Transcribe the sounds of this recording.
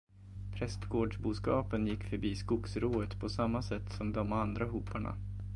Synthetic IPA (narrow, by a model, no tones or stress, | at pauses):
pʰɾɛst̪ɡoːɖʂbuːskɑːpənjɪkːfœɾbiːskʊksɾoːət̪pʰɔsamːasɛt̪ːsɔmd̪ɔmand̪ɾaɦuːpaɳa̰